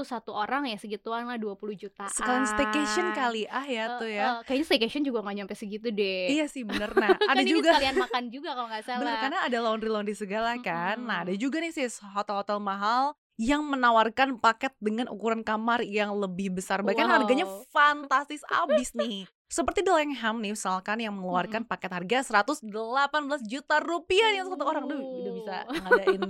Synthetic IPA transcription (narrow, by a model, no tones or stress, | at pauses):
usat̪uʔoɾaŋjasəɡit̪uanlahduapuluhd͡ʒut̪asəkalanst̪ekeʃɔnkaliʔahjat̪ujakajaɲast̪ekeʃɔnd͡ʒuɡaŋaɲampɛsəɡit̪udɛijasɪhbənərnaadad͡ʒuɡaalianmakand͡ʒuɡakaloŋɡasalənərkarnaːdalaʊnɾilaundisəɡalahkanːaɦadad͡ʒuɡanɪsɪhsɦot̪ɛlhot̪ɛlmaɦal | jaŋmənawarkanpakɛt̪̚dəŋanʔṵkuɾankamarjaŋləbɪhbəsarbaikːanhɦarɡaɲafant̪ast̪ɪsa̰bɪsnɪh | səpərt̪idəlɛŋamnɪhmisalkanjaŋməŋəluarkanpakɛt̪̚harɡasəɾat̪ʊsdəlapanbəlasd͡ʒut̪arupianit̪sat̪̬ukoɾaŋduudahbisa̰ŋadaɪn